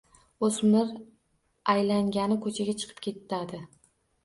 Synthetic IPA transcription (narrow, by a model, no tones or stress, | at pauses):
osmɪɾ | ajlaŋɡʲanɪkʰɵt͡ʃʰaɡʲat͡ʃʰɨ̥qʰɨ̥p̚kʲʰe̞t̪ʰːad̪ɪ